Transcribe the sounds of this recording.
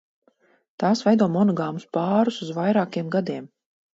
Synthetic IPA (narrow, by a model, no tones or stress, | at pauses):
t̪aːsvɛjd̪uɔmɔnɔɡaːmuspaːɾusuzvajɾaːkiɛmɡad̪iɛm